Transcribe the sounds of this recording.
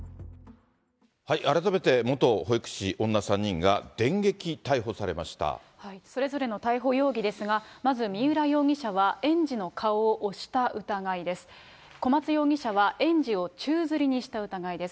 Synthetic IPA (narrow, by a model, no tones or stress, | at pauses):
haiʔaɾat̪ame̞t̪e̞mo̞t̪o̞hoikɯ̟̥ɕiʔõ̞nːasãɲ̟ːĩŋɡa̰d̪̥ẽ̞ŋɡe̞kʲit̪aiɦo̞saɾe̞̰ma̰ɕi̥t̪a̰ | haiso̞ɾe̞zo̞ɾe̞no̞t̪aiɦo̞jo̞ːɡʲid̪e̞sɨɡamazɨmʲiɯ̟ɾajo̞ːɡʲiɕaβ̞aẽ̞ɲd͡ʑino̞kʰaoːʔoɕi̥t̪aɯ̟t̪aɡaid̪e̞sɨ̥ | ko̞mat͡sɨjo̞ːɡʲiɕaβaʔẽ̞ɲ̟d͡ʑio̞t͡ɕɨːzɨɾʲiɲ̟iɕi̥t̪aɯ̟t̪aɡaid̪e̞s